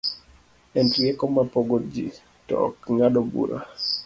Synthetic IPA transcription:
ɛntiekɔmapoɡod͡ʒi | tɔ̰kŋadobṵɾa̰

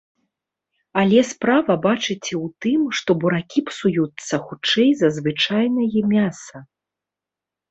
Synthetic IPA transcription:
ɐlʲɛspɾavɐbat͡ʂɨt͡sʲɛwt̪ɨmʂt̪ɔbuɾakʲipsujut̪sːɐxut͡ʂɛjzɐzvɨt͡ʂajnɐjɛmʲasɐ

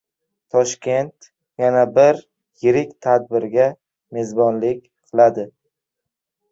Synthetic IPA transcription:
t̪ʰɒʃkʲe̞nt̪ | janabɪɾ | jɪɾɪkʲt̪ʰad̪̚bɪɾɡʲa | me̞zbɒnlɪkʲqʰɨlˠad̪ɪ

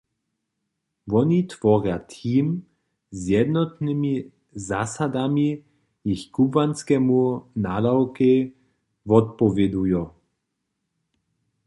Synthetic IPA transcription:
vɔnit̪vɔʁjat̪ʰiːm | zjɛd̪nɔt̪nimi | zasad̪ami | jixkubvanskɛmunadawkɛ | vɔt̪̚pɔvɛd̪ujɔ

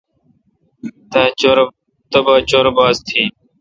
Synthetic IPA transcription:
t̪aː | t̪əbaːt͡ʃoːɾbaːzt̪ʰiː

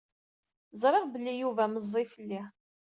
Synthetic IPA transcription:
zˤɾˤɪʁbəlːijuvæməzˤːifəlːi

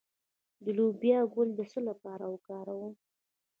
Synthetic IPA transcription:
d̪əlobjɑɡold̪əsəlapɑɾawəkɑɾawu

